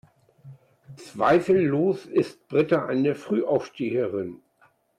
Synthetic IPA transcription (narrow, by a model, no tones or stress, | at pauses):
t͡sv̥a̰ɪfl̩ːoːsɪst̚b̥ʁɪtaʔa̰ɪnəfʁ̥yːʔaʊfʃteːəʁɪn